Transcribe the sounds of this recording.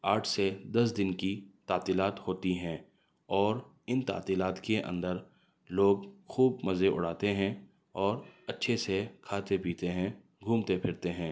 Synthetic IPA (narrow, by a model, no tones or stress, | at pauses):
aːʈʰsed̪ɐs̬d̪ɪnkit̪aːt̪iːlaːt̪hoːt̪iɦɛ̃ː | ɔːɾ | ɪnt̪a̰ːt̪iːlaːt̪keʔɐ̰̃nd̪əɾ | loːɡxuːbmɐzeʔʊ̰ɽaːt̪eɦɛ̃ | ɔːɾɐtːʃʰesekʰaːt̪epiːt̪eɦɛ̃ | ɡʱũːmt̪epʰɪɾt̪eɦɛ̃ː